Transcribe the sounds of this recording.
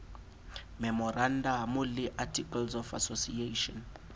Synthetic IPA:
mɛmɔrandamuliʔatʰʼikʼalzɔfa̰sosieʃɔn

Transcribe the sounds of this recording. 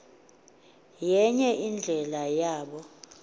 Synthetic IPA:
jɛɲɛʔind͡ɮʱɛlajaːɓɔ

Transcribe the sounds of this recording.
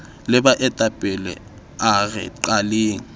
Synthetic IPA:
lɪbaʔɛtʼapʼɪlɛ̰ | aɣɛ̰ǃaleːŋ̩

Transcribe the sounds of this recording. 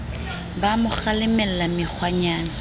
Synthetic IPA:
bamʊχalɪmɛl̩lamɪk͡xʰwaɲaːna

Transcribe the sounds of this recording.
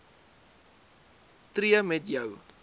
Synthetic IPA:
tɾiəmɛtjəw

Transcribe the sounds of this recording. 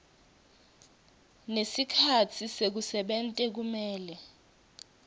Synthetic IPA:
nesikʰat͡sʰisek̬usɛɓɛntʼɛk̬umɛːlɛ

